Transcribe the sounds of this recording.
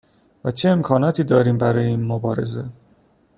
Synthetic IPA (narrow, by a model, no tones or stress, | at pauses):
væt͡ʃʰe̞ːmkʰɒːnɒːt̪ʰiːd̪ɒːɾiːmbæɾɒːjeiːnmobɒːɾe̞ze̞